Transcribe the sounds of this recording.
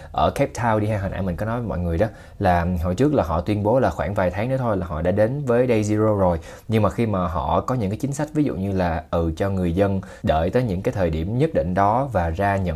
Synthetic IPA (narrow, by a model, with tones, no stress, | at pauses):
ʔəː˧˩kɛ˦˥p̚t̪ʰaː˧wɗi˧haː˧ɦaː˨˩nʔaː˧˩jmï˨˩ŋ̟kɔ˨˦nɔ˨˦vmɔ̰˧˨jŋɨ˨˩əjɗɔ˨˦ | laː˨˩ɦɔ̰˧˨jt͡ɕɨ˦˥ək̚laː˨˩ɦɔ̰˧˨t̪wi˧ənɓo˨˦laː˨˩xwaː˧˩ŋvaː˨˩jt̪ʰaː˨˦ŋnɨ˨˦t̪ʰo˧jlaː˨˩ɦɔ̰˧˨ɗa̰ː˧˥ɗe˨˦nvəː˨˦jɗə˧jzi˧zo˧zo˨˩j | ɲɨ˧ŋmaː˨˩xi˧maː˨˩ɦɔ̰˧˨kɔ˨˦ɲɨ̰˧˥ŋkaː˨˦jt͡ɕï˨˦ŋ̟sa˦˥jk̟̚vi˨˦zṵ˧˨ɲɨ˧laː˨˩ʔɨ˨˩t͡ɕɔ˧ŋɨ˨˩əjzə˧n | ɗə̰ː˧˨jt̪əː˨˦jɲɨ̰˧˥ŋkaː˨˦jt̪ʰəː˨˩jɗi˧˩əmɲə˦˥t̚ɗḭ̈˧˨ŋ̟ɗɔ˨˦vaː˨˩zaː˧ɲə̰˧˨